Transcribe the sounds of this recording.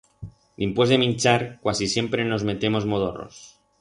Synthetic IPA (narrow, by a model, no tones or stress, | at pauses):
d̪impozðe̞mĩnt͡ʃaɾkwasisje̞mpɾe̞no̞zme̞t̪e̞mo̞zmoðoro̰s